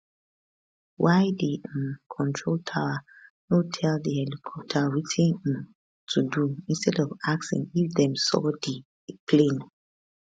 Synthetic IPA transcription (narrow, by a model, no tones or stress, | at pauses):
waɪdikʰɔ̃ntʰɹoltʰawanotʰɛldiɛlikʰɔp̚tʰawitʰĩñm | tʰuduĩnstʰɛdɔvak̚sḭ̃ŋifdɛ̃msɔ̰di | pʰlẽn